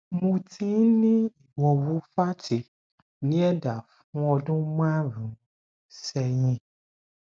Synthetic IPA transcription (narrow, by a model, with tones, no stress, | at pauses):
mõ˧tʰĩ˦nĩ˦i˨wɔ˧˨wu˨˦fa˦ti˨ | nĩ˨˦ɛ˦da˨fũ˨˦ɔ˧dũ˦mã˦ɾũ˨˦ | sɛ˧jĩ˧